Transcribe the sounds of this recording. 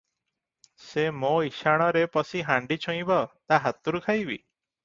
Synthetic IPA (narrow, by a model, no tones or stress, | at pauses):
semoiʃaɽ̃ɔɾepɔsiɦaɳɖit͡ʃʰɔ̃j̃bɔt̪aɦat̪uɾukʰajbḭ